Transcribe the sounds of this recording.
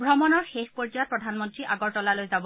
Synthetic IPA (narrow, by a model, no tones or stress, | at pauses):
bʱɹɔmɔnɔɹxexpɔɹd͡ʒijat̚pɹɔdʱanmɔntɹiʔaɡɔɹtɔlalojzabɔ